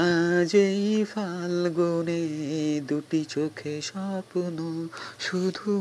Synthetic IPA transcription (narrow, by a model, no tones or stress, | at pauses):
ad͡ʑejfʰalɡoned̪uʈit͡ɕokʰeʃɔpnoʃud̪ʱu